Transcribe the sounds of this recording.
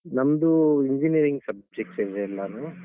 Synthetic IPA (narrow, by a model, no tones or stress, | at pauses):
nɐmɐd̪uiɲd͡ʒiniɐɾiŋɡsɐb̚d͡ʒek̚ʈsed͡ʒɐlːɐnu